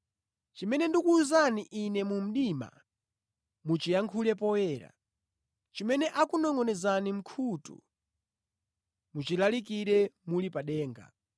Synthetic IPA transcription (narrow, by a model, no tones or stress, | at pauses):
t͡ʃimɛnɛndikuuzaniʔinɛmum̩ɗima̰ | mut͡ʃijaŋkʰulɛpɔwɛːɾa̰ | t͡ʃimɛnɛʔakunɔŋɔnɛzanim̩kʰutṵ | mut͡ʃilalik̬iɾɛmulipaɗɛːŋɡa̰